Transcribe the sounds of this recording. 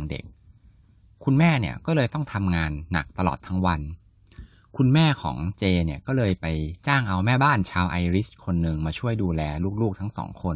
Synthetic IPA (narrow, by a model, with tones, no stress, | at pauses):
ŋdḛ˨˩k̚ʰː | u˧nmɛː˥˩ni˥˩əkɔː˥˩lɤː˧jt̪ɔ˥˩ŋt̪ʰa˧mŋaː˧nːa̰˨˩k̚t̪a˧lɔ̰ː˨˩t̪ʰːa˦˥ŋwa˧n | kʰu˧nmɛː˥˩kʰɔ̰ː˩˦ŋt͡ɕeː˧ni˥˩əkɔː˥˩lɤː˧jpa˧jt͡ɕaː˥˩ŋʔa˧wmɛː˥˩baː˥˩nt͡ɕʰaː˧wʔa˧jɾi˦˥kʰo˧nːɯ˨˧ŋmaː˧t͡ɕʰu˥˩əjduː˧lɛː˧luː˥˩k̚luː˥˩k̚t̪ʰa˦˥ŋsɔ̰ː˩˦ŋkʰo˧n